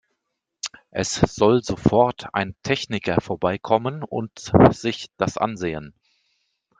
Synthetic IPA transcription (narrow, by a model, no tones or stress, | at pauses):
ʔɛsz̥ɔlzoːfɔɐtʰa̰ɪntʰɛçnɪkɐfoːɐbaɪkʰɔmənʊ̰ntz̥ɪçd̥asʔa̰nzeːən